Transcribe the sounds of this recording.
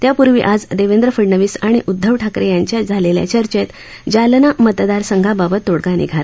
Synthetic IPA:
t̪japuɾʋḭʔad͡zd̪eʋend̪ɾəfəɽɳəʋiːsaɽ̃iʔud̪ʱːəʋʈʰakɾejaɲt͡ɕjad͡zʱalelja̰t͡ɕəɾt͡ɕet̪ | d͡ʑalnamət̪d̪aɾsəŋɡʱababət̪ːoɽɡanḭɡʱal

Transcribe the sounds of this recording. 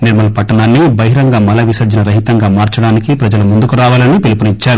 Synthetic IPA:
niɾmɐlɐpɐʈːɐnaːnːibɐɦiɾɐŋɡaːmɐlɐʋisɐd͡ʒɐnɐɾɐɦit̪ɐŋɡaːmaːɾt͡ʃɐɽaːnikipɾɐd͡ʒɐlumund̪ukuɾaːʋaːlɐnːipilupunit͡ʃːaːɾu

